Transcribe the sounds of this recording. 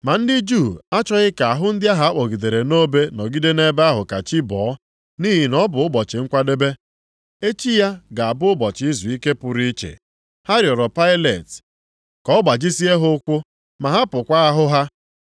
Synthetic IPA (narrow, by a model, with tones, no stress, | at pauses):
ma˨n̩˦dɪ˦d͡ʒu˦˨a˦t͡ʃɔ˦ɣɪ˦ka˨a˨ɦʊ˦n̩˦dɪ˦a˦ɦa˦k͡pɔ˨ɡi˨de˨ɾe˨no˦be˦nɔ˨ɡi˦de˦ne˦ba˦ɦʊ˨ka˨t͡ʃi˦bɔː˨˦ | ni˦ɦi˨nɔ˦bʊ˨ʊ˦bɔ˨t͡ʃɪ˨ŋ̩˦kʷa˦de˦be˦ | e˦t͡ʃi˦ja˦ɡa˨a˨bʊ˦ʊ˦bɔ˨t͡ʃɪ˨i˦zu˨i˦ke˦pʊ˨ɾi˦t͡ʃḛ˨ | ha˦ɾjɔ˨ɾɔ˨pa˦ɪ˦le˨t | kɔ˦ɡ͡ba˨d͡ʒi˦si˦e˦ɦʊ˦kʷʊ˦ | ma˨ɦa˦pʊ˨kʷa˦a˦ɦʊ˦ɦa˦